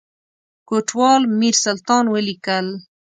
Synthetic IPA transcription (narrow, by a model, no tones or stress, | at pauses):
koʈwɑːlmiɾsalt̪ɑːnwəlikəl